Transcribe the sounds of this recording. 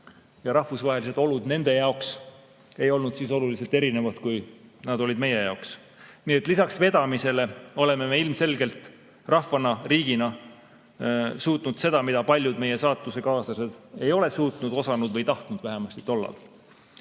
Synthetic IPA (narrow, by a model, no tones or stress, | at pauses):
jɑɾɑhvusvɑɦe̞liset̪ˑo̞lud̪ne̞nd̪̥e̞jɑoks | e̞jo̞lnud̪̥siːso̞lulise̞lt̪eɾine̞vɑt̪kujnɑd̪o̞lid̪me̞je̞jɑoks | niet̪ːˑlisɑksve̞d̪̥ɑmise̞le̞o̞le̞me̞meilmse̞lɡe̞lt̪ˑ | rɑhvɑnɑriːɡ̥inɑ | suːt̪ˑnud̪̥se̞d̪̥ɑmid̪ɑpɑlʲjud̪meje̞sɑːt̪ːˑuse̞kɑːsɑse̞d̪̥e̞jo̞le̞suːt̪nud̪̥o̞sɑnud̪̥vɤjt̪ɑht̪nud̪̥væɦe̞mɑst̪it̪o̞lːɑ̰l